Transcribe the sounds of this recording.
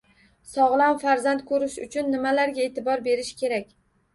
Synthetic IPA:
sɒʁlˠamfaɾzant̪̚kʰɵɾɪʃʊ̰t͡ʃʰʊnːɪmalaɾɡʲae̞t̪ʰɪbɒɾbe̞ɾɪʃkʲʰe̞ɾakʲ

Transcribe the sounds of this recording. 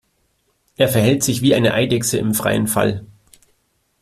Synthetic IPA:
ʔeːɐfɛɐɦɛltz̥ɪçv̥iːʔaɪnəʔaɪdɛksəɪmfʁ̥a̰ɪənfa̰l

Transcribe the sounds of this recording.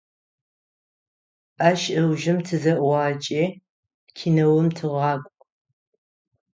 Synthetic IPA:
ʔaːʃʔɐwʒɪmtʰɨzɐʔwɑːt͡ʃʼeː | kʲʰinɐwʊmtʰɨʁɑːkʷʼ

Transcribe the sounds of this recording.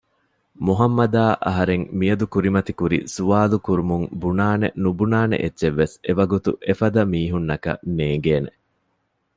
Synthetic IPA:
muɦɐmːɐd̪aːʔɐɦɐɾeŋmijɐd̪ukuɾimɐt̪ikuɾḭsuʋaːlukuɾumuŋbunaːnḛnubunaːnḛʔetːʃeʋːeseʋɐɡut̪ṵʔefɐd̪ɐmiːɦunːɐkɐ̰neːŋɡeːne

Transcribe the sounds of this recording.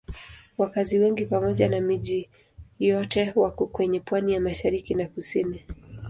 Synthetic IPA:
wakaziwɛŋɡipamɔʄanamiʄi | jɔtɛwakɔkwɛɲɛpwanijamaʃaɾikinakusini

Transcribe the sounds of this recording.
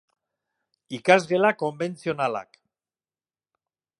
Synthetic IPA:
ikazɣe̞lako̞mbe̞nt͡sio̞nala̰k

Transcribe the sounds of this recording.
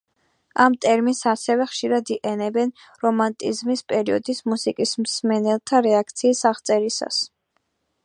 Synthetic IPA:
amt̪ʼɛɾminsasɛvɛχʃiɾad̪iʔʼɛnɛbɛn | ɾɔmant̪ʼizmispʼɛɾiɔ̰d̪ismusikʼismsmɛnɛlˠt̪ʰaɾɛak̚ʰt̪sʰiːsaʁt̪sʼɛɾisa̰s

